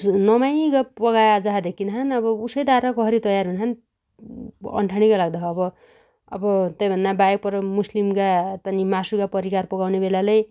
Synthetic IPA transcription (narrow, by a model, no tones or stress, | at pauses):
nʌmajɡʌpʌɡajad͡zaɦad̪ekʰinaɦanʌbʌusʌjd̪aɾʌkʌɦʌɾit̪ʌjarɦunɦan | ʌ̰ɳʈʰaɽ̃ikalaɡ̚d̪aɦːbʌ | ʌ̰bʌt̪ʌjbʱʌnːabajek̚pʌɾʌmuslimkat̪ʌnimasukapʌɾikarpʌɡawnebelalaj